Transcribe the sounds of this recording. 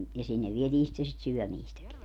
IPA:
jɑ sinːeʋ ʋietiː sitːe sit syœˑmiːstæki

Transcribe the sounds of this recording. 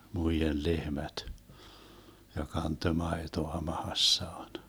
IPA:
muijel lehmæt jɑ kɑntø mɑetoɑ mɑhɑsːɑːn

